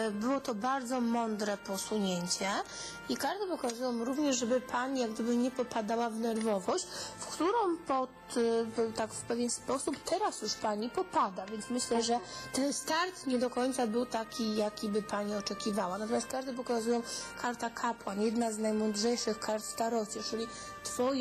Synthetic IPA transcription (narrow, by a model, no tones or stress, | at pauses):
bɘwɔt̪ɔbaɾd̪zɔmɔnd̪ɾɛpɔsuɲeɲt͡ɕɛ | ikaɾt̪ɛpɔkazujɔ̃w̃ɾuvɲɛʐʐɛbɘpʰaɲijaɡd̪ɘbɘɲɛpɔpad̪awavnɛɾvɔvɔɕt͡ɕfkt̪uɾɔ̃w̃pɔt̪t̪akfpɛvʲjɛnspɔsupt̪ɛɾasjuʂpaɲipɔpad̪avʲjɛnt̪mɘɕlɛʐɛt̪ɛnst̪aɾt̪ɲɛd̪ɔkɔjt̪sabɘwt̪akʲijakʲibɘpaɲiɔt͡ʂɛkʲivawanat̪ɔmʲast̪kaɾt̪ɛp̬ɔkazujɔ̃w̃kʰaɾt̪akʰapwanjɛd̪naznajmɔnd̪ʐɛjʂɘxkaɾt̪fst̪aɾɔt͡ɕɛt͡ʂɘlʲi | t̪fɔj